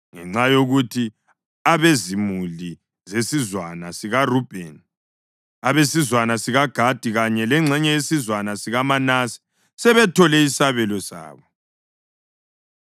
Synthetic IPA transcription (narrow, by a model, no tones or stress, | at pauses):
ŋɛ̰ŋ͡ǀajoɣutʰi | aβezimuli | zesizwanasiɣarub̥ʱɛ̰n | aβesizwanasiɣaɡ̥ʱad̥ʱiɣaɲɛlɛŋ͡ǀʱɛɲɛjesizwanasiɣamanasi̥ | sɛβɛtʰɔlɛisaβɛlɔsa̰ːβɔ